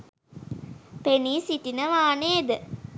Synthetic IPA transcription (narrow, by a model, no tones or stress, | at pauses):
peniːsiʈinəʋaːneːd̪ə